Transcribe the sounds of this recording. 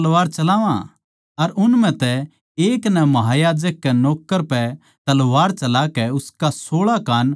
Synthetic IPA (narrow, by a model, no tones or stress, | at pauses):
ɐlʋaːɾt͡ʃɐlaːʋã̰ | ɐɾʊnmɛ̃t̪ɛ | eːknɛmɐɦaːjaːd͡ʒəkːɛnoːkːəɾpɛ | t̪ɐlʋaːɾt͡ʃɐlakɛʊskasoːɭakaːn